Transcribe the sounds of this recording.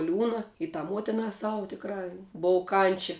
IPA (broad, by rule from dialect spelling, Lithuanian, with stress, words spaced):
ˈlʲuːnɐ ɪ tɑː ˈmuɔtʲɪnɑː ˈsɑːʋʊ tʲɪkˈrɑː ˈboːw ˈkɐnʲt͡ʃʲɛ